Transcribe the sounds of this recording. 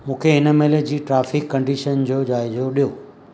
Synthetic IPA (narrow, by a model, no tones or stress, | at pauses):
mũːkʰeɦɪnə̆meled͡ʑiːʈɾaːfɪkːɐ̃ɳɖiʃənd͡ʑoːd͡ʑaːɪzoɗijo